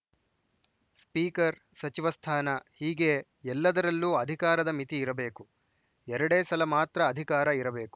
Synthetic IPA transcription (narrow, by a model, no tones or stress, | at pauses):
spiːkɐɾ | sɐt͡ʃiʋɐst̪ʰaːnɐhiːɡe̞ | ɛlːɐd̪ɐɾɐlːuːɐd̪ʱikaːɾɐd̪ɐmit̪iːɾɐbe̞ːku | ɛɾɐɽeːsɐlɐmaːt̪ɾɐːd̪ʱikaːɾɐiɾɐbe̞ːku̥